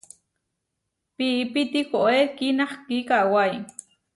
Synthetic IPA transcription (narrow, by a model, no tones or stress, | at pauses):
piːpit̪ikoʔekinaχkikawaj